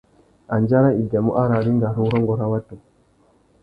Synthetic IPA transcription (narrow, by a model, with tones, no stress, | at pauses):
ʔa˨nd͡ʒa˦ɾa˦i˨da˨mu˦ʔa˦ɾa˨ɾi˦ŋɡa˨ɾu˦ɾɔ˦ŋɡɔ˨ɾa˦wa˦tːu˨